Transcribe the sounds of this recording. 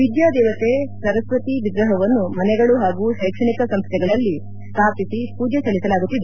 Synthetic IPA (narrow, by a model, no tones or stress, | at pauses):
ʋid̪jaːd̪ɛːʋɐt̪esɐɾɐsʋɐt̪iʋiɡ̪ɾɐɦɐʋɐnːumɐnɛɡɐɭuɦaːɡuɦɛːkʂɐɳikɐsɐmst̪ʰɛɡɐɭɐlːi | sp̪ɾaːt̪isipuːd͡ʒɐsɐɭisɐlaːɡut̪ːid̪e